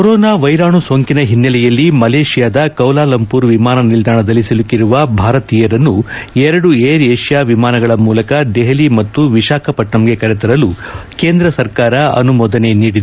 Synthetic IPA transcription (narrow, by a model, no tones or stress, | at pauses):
koɾɔːnaːʋɐjɾaːɳusoːŋkinɐɦinːɐlɛjɐlːimɐleːʂijaːd̪ɐkɐwlaːlɐmpuːɾʋimaːnɐnild̪ʱaːɳɐd̪ɐlːisilukːiɾuʋɐbʱaːɾɐt̪iːjɐɾɐnːuɛɾɐɽueːɾeːʂjaːʋimaːnɐɡɐɭɐmuːlɐkɐd̪eɦɐlimɐt̪ːuʋiʃaːkɐpɐʈɳɐmɡe̞kɐɾɛt̪ɐɾɐluke̞ːnd̪ɾɐsɐɾkaːɾɐɐ̰numɔːd̪ɐne̞niːɽid̪u